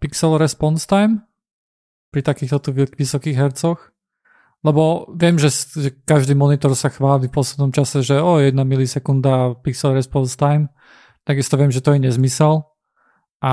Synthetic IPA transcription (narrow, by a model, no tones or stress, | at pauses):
piksɛlɾɛspɔnst̪ajm | pɾit̪akiːxt̪ɔt̪uʋiʋisɔkiːɣɦɛɾt͡sɔx | lɛbɔʋɪɛmʒɛsʒɛkaʒd̪iːmɔnit̪ɔɾsaxʋaːlifpɔslɛd̪nɔmt͡ʃasɛʒɛɔjɛd̪̚namilisɛkund̪apiksɛlɾɛspɔnst̪ajm | t̪aɡist̪ɔʋɪɛmʒɛt̪ɔjɛɲɛzmisɛl | ʔa